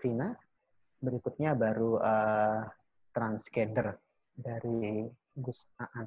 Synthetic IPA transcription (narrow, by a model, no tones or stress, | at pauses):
fina | bəɾikut̪̚ɲabaɾuə | t̪ɾansɡɛndər | daɾi | ɡusaʔa